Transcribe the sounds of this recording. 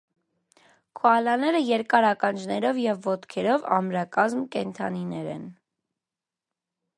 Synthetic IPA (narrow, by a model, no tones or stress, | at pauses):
kʰɔɑlɑnɛɾəjɛɾkɑɾɑkɑnd͡ʒnɛɾɔvjɛvːɔt̪kʰɛɾɔvɑ̰mɾɑkɑzmkɛnt̪ʰɑninɛɾɛ̰n